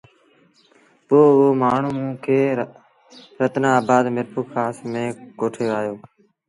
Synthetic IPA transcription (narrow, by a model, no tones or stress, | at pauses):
poːoːmaːɳ̤uːmũːkʰeː | ɾət̪nãːbaːd̪mɪɾpʰuːkʰaːsmẽːkoːʈʰeːaːjoː